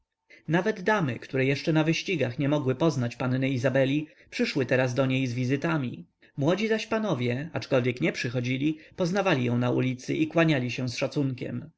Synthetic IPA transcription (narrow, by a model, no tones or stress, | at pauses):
navɛd̪d̪amɘkt̪uɾɛjɛʂt͡ʂɛnavɘɕt͡ɕiɡaxɲɛmɔɡwɘpɔznat͡ɕpannɘizabɛlʲi | pʂɘʂwɘt̪ɛɾazd̪ɔɲejzvʲizɘt̪amʲḭ | mwɔd͡ʑizaɕpanɔvʲjɛat͡ʂkɔlvʲjɛkɲɛpʂɘxɔd͡ʑilʲipɔznavalʲijɔ̃w̃naṵlʲit̪sɘ̰ʔikwaɲalʲiɕɛ̃sʂat̪suŋkʲɛ̰m